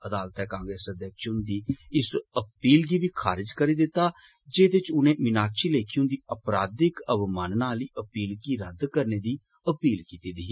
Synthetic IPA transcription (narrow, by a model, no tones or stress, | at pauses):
əd̪aːlt̪ɛːkãːŋɡɾeːsəd̪jəːkʃʊ̃nd̪iːɪsəpiːlɡiːʋiːkʰa̰ːɾɪd͡ʒkəɾiːd̪ɪt̪ːaːd͡ʒeːd̪ɪt͡ʃʊnẽːmɪnaːkʃiːleːkʰijũːnd̪iːəpɾaːd̪ɪkəbmaːnnaːliːʔəpiːlɡiːɾəd̪kəɾneːd̪iː | əpiːlkiːt̪iːd̪iː